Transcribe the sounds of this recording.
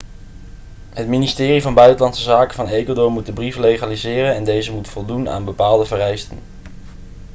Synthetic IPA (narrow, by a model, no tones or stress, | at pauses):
ɦətministɪːrivɑnbœɥtəlɑntsəzaːkəvɑnejkwadʊɹmut̚dəbrivəlejχaːlizɪːrənɛndejzəmutfɔlˠduna̰ːnbəpaːlˠdəvərɛjstən